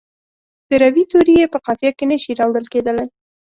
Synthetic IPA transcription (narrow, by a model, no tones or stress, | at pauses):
d̪̥əɾawit̪oɾijepəqɑfjɑkenəʃiɾɑwɽəlked̪əlaj